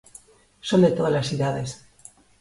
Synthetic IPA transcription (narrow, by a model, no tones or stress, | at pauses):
so̞nd̪e̞t̪oðazlasθiðaðe̞s